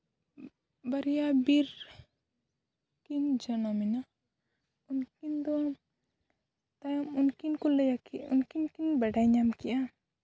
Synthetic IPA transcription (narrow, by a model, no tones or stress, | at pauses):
baɾijabiɾ | kind͡ʒanɔmina | unkind̪ɔam | t̪ajɔmunkinkuləjakiṵnkinkinbaɖajɲamkiʔa